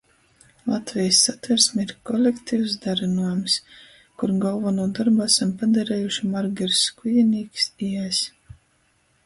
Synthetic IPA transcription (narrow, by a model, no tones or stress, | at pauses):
lˠat̪vʲɛjsːat̪væɾsmiɾkɔlʲekt̪iːwsd̪aɾɨnuɔjums | kuɾɡalˠvanuɔd̪aɾbuasampad̪aɾɛːjuʃimaɾɡʲɛɾskujɛniːksiɛs